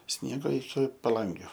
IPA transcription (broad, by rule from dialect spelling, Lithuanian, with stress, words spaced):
ˈsʲnʲiɛɡoː ɪkʲɪ pɐˈlˠɐŋʲɡʲʊ